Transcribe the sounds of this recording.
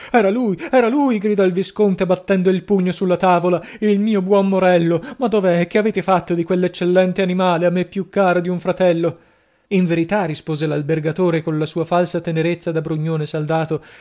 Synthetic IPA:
ɛːɾaluːjɛːɾaluːjɡɾid̪ɔilviskont̪ebat̪ːɛnd̪oilpuɲːosulːat̪aːvolailmiːobwɔnːoɾɛlːomad̪ːoveɛk̟ːeaveːt̪efat̪ːod̪ikwelːet͡ʃːelːɛnt̪eanimaːleamːepːjukːaːɾod̪iuɱfɾat̪ɛlːo | iɱveɾit̪arispoːzelalberɡat̪oːɾekonlasuːafalsat̪eneɾet̪sːad̪abɾuɲːoːnesald̪aːt̪o

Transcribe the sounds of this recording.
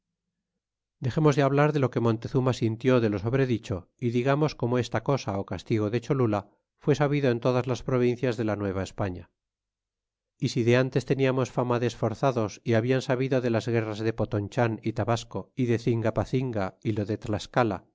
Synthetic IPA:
d̪e̞χe̞mozðeaβlaɾðe̞lo̞ke̞mõ̞nt̪e̞θumasint̪jo̞ðe̞lo̞so̞βɾe̞ðit͡ʃo̞iðiɣamo̞sko̞moe̞st̪ako̞saokast̪iɣ̞o̞ðe̞t͡ʃo̞lula | fwe̞saβiðoe̞nt̪o̞ðazlaspɾo̞β̞in̟θjazðe̞lanwe̞β̞ae̞spaɲa | isiðe̞ant̪e̞st̪e̞niamo̞sfamaðeːsfo̞ɾθaðo̞siaβiansaβiðo̞ðe̞lazɣe̞razðe̞po̞t̪o̞nt͡ʃanit̪aβasko̞iðe̞θiŋɡapaθiŋɡailo̞ðe̞t̪laskala̰

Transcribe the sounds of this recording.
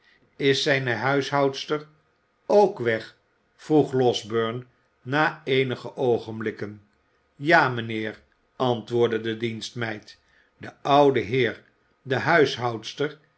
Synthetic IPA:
ɪsɛjnəɦœɥsɦɑwtstəɹ | owkʋɛχ | fruχlɔzbøɹnː | aːejnəχəʔowχənblɪkən | jaːmənɪːɹ | ɑntʋʊːɹdədədinstmɛjt | dəɑwdəɦɪːɹ | dəɦœɥsɦɑwtstəɹ

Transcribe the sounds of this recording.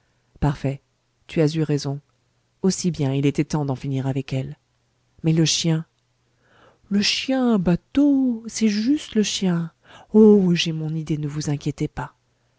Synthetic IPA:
paʁfɛ | t̪yazyʁezɔ̃ | osibjɛ̃ilet̪ɛt̪ɑ̃d̪ɑ̃finiʁavɛkɛl | mɛləʃjɛ̃ | ləʃjɛ̃bat̪osɛʒyst̪ləʃjɛ̃ | oʒemɔ̃nid̪enəvuzɛ̃kʲjet̪epa

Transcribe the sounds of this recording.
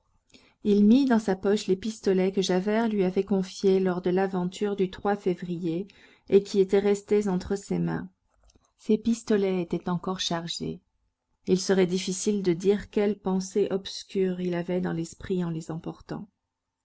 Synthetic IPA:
ilmid̪ɑ̃sapɔʃlepist̪ɔlɛkəʒavɛʁlɥiavɛkɔ̃fjelɔʁd̪əlavɑ̃t̪ʰyʁd̪yt̪χwafevʁije | ekʲiet̪ɛʁɛst̪ezɑ̃t̪χəsemɛ̰̃ | sepist̪ɔlɛet̪ɛt̪ɑ̃kɔʁʃaʁʒḛ | ilsəʁɛd̪ifisild̪əd̪iʁkʲɛlpɑ̃seʔɔbskʲyʁilavɛd̪ɑ̰̃lɛspχiɑ̃lezɑ̃pɔʁt̪ɑ̰̃

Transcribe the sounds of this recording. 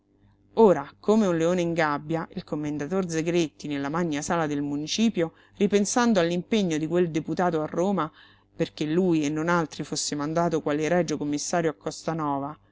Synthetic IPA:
oːɾakomeunleoːneiŋɡabːjaʔilkomːend̪at̪ord̪zeɡɾet̪ːinelːamaɲːasaːlad̪elmunit͡ʃiːpjo | ripensand̪oalːimpeɲːod̪ikweld̪eput̪aːt̪oarːoːma | perk̟elːuːjenːonalt̪ɾifosːemand̪aːt̪okwaːleɾɛd͡ʒokomːisːaːɾjoakːɔst̪anɔːva

